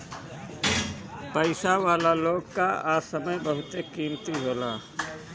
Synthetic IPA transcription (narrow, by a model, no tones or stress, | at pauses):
pəɪsaʋaːlaloːɡkaaːsəməjbəɦʊt̪ekiːmt̪iɦoːlaː